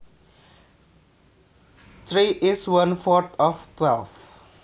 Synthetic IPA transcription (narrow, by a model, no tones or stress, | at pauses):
tʰɾiʔɪswʌ̃nfɔt̪ɔftʰwɛlf